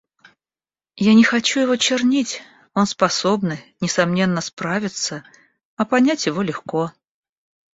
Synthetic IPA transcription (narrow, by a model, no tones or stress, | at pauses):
janʲɪxɐt͡ɕujɪvo̞t͡ɕɪrnʲitʲ | o̞nspɐsobnɨnʲɪsɐmnʲe̞nːəspɾavʲɪt̪sə | ɐpɐnʲætʲjɪvo̞lʲɪxko̞